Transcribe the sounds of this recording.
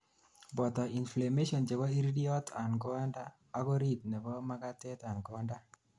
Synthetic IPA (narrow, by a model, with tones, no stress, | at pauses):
bɔ˨t̪ɔ˨i˨nfle˨me˦ʃɔ˨nd͡ʒe˨kɔ˦i˦ɾdi˦ɔ˦t̪a˨nɡɔ˦ndaː˦ | kɔ˦ɾi˦t̪̚nɛ˨kɔ˦ma˦ɡa˦t̪ɛ˦t̪a˨nɡɔ˦nda˦